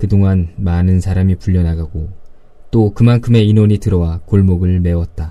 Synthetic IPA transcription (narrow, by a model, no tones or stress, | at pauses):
kɯdoŋanmanɯnsʰaɾamipuʎːʌnaɡaɡo | t͈okɯmankʰɯme̞inoɲitɯɾʌwakoɭmoɡɯɭme̞wʌt̚t͈a